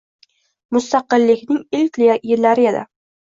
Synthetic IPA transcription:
mʊst̪ʰaqɨlːɪkʲnɪŋɪlkʲlɪjjɪɾːaɾɪjed̪a̰

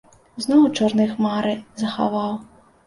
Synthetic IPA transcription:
znɔwt͡ʃɔrnɨxmaɾɨzɐxa̰vɑw

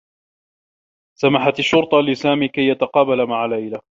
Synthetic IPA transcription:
samaħat̪aʃːʊɾt̪ˤɑlɪsaːmiːkajːat̪aqɑːbalamaʕalajla

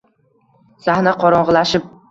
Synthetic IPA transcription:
sahnaqʰɒɾɒɴʁɨlˠaʃɪp̚

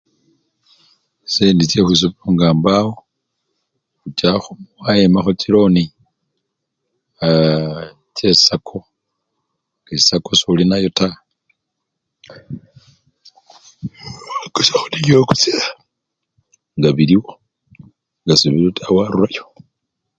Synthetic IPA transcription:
seːndit͡ʃexwis̬upuŋɡaːmbawo | xut͡ʃaxumwajemaxot͡ʃilo̞ni | t͡ʃessakʰo̞ | ŋesako̞sulinajo̞ta | aɡ̥osaxunioku̥t͡sila | ŋɡaβiliwo | ŋɡasuβiɾotʰawaɾurajo

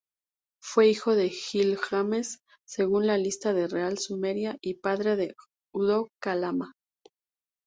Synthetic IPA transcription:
fwe̞ixo̞ðe̞xilxame̞sː | e̞ɣunlalist̪aðe̞realsume̞ɾjaʔipaðɾe̞ðe̞ | uðo̞kalama

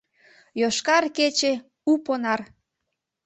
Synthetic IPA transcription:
joʃkɑrket͡ɕe | uponɑr

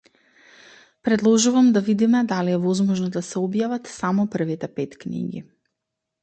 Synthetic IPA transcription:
pɾɛd̪lˠɔʒuvamd̪avid̪imɛd̪aliɛvɔzmɔʒnɔd̪asɛɔbjavat̪samɔpər̩vit̪ɛpɛt̪knḭɡḭ

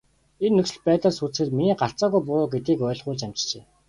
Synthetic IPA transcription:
enːɵksɘ̆ɮpæːt̪ə̆ɮsut͡sxɘ̆t̪miniːɢaɬt͡saːɣujp̬ʊɾʊːɡet̪iːkœːɮʁʊːɮt͡ɕæm̥t͡ɕt͡ɕeː

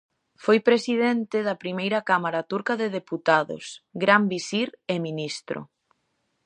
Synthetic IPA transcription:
fojpɾesiðent̪ɪðɐpɾimejɾɐkamaɾat̪uɾkɐðeðeput̪aðʊ̰sɡɾambisiɾeminist̪ɾʊ̰

